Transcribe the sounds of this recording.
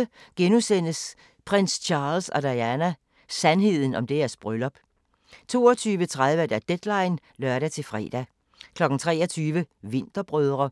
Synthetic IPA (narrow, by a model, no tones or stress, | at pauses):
əɡ̥enusen̰əs | pʰʁen̰st͡ɕʰɑ̈ːlsɒ̽d̥ɑ̈jænæ | sænɦe̝ð̞̰ˠn̩ɒ̽md̥e̝æɐsb̥ʁølɒ̽b̥ | t͡sʰo̝ːɒt͡sʰyːʋət͡sʰʁað̞ˠʋəd̥æɐd̥ed̥lɑ̈ɪn | lœɐɾæt͡sʰe̝lfʁɛ̰ːd̥æ | kʰlɒ̽ɡ̥n̩t͡sʰʁɛ̰ːɐt͡sʰyːʋəʋe̝n̰d̥ɐb̥ʁœð̞ˠʁɐ